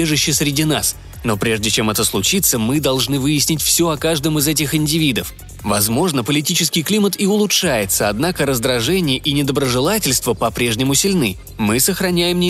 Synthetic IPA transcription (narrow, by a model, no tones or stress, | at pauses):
eʐɨɕːɪsɾʲɪdʲinas | no̞pɾʲe̞ʐdʲɪt͡ɕe̞mɛt̪əslˠʊt͡ɕit̪səmɨd̪ɐlˠʐnɨvɨjɪsʲnʲɪtʲfsʲoɐkaʐd̪əmɨzɛt̬ʲɪxɪnʲdʲɪvʲid̪əf | vɐzmo̞ʐnəpəlʲɪtʲit͡ɕɪskʲɪjklʲimət̪ɪʊlˠʊtʂajɪt̪səɐd̪nakəɾəzd̪ɾɐʐɛnʲɪjəʔinʲɪd̪əbɾəʐɨlˠatʲɪlʲst̪vəpɐpɾʲe̞ʐnʲɪmʊsʲɪlʲnɨ | mɨsəxɾɐnʲæjɪmnʲɪ